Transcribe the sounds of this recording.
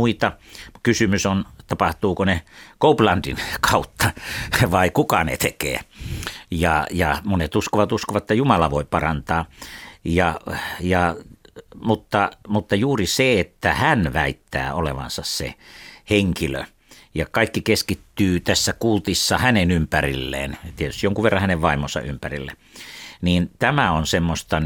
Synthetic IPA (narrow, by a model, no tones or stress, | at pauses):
uit̪ɑkysymysont̪ɑpɑht̪uːkonekouplɑndḭnkʰɑut̪ʰːɑʋɑikukɑnḛt̪ekḛː | jɑ̰jɑmonet̪uskoʋɑt̪uskoʋɑt̪et̪ːjumɑlɑʋoipɑrɑnt̪ɑːjɑjɑ | mut̪ːɑmut̪ːɑjuːriseet̪ːæhænʋæit̪ːæ̰ːolḛʋɑ̰nsɑssḛheŋkilø̰ | jɑkɑikːikeskit̪ːyːt̪æsːækult̪isːɑhænenympærilːḛːnt̪iet̪yst̪ijoŋkuʋʋerːɑ̃hæneʋʋɑimonsɑ̰ʔympærḭlːḛ | niːnt̪æmæonsemːost̪ɑn